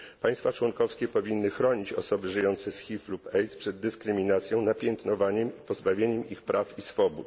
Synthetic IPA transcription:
paj̃st̪fat͡ʂwɔŋkɔfskʲɛpɔvʲinːɘxɾɔɲit͡ɕɔ̰sɔbɘʐɘjɔnt̪sɛsxʲiflupɛjt̪spʂɛd̪ːɘskɾɘmʲinat̪sʲjɔ̃w̃napʲjɛnt̪nɔvaɲɛmipɔzbavʲjeɲɛmixpɾafisfɔbut̪

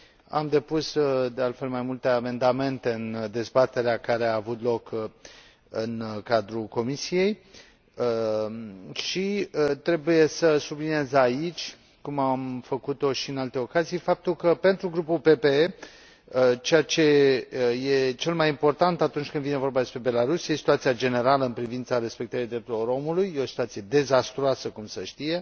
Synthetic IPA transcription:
a̰md̪e̞pusd̪e̞alt̪fe̞lmajmult̪e̞ame̞nd̪ame̞nt̪eɨnd̪e̞zbat̪e̞ɾeakaɾe̞aːvut̪lo̞k | ɨnkad̪ɾuko̞misije̞j | ʃit̪ɾe̞buje̞səsubliniezait͡ʃʲ | kumamfəkut̪o̞ʃiɨnalt̪e̞o̞kazijfap̚t̪ulkəpe̞nt̪ɾuɡɾupulpe̞pe̞e | ət͡ʃejat͡ʃe̞jet͡ʃe̞lmajimpo̞rt̪ant̪at̪unt͡ʃʲkɨnd̪vine̞vo̞rbad̪e̞spɾe̞be̞laɾusjesi̥t̪uat̪sijad͡ʒe̞ne̞ɾaləɨnpɾivint̪saɾe̞spe̞k̚t̪əɾijd̪ɾe̞p̚t̪ulo̞ɾo̞mulujːeo̞si̥t̪uat̪sije̞d̪e̞zast̪ɾoasəkumsəʃt̪ije̞

